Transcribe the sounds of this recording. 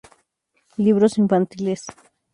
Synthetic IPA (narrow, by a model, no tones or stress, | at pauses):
liβɾosiɱfant̪iles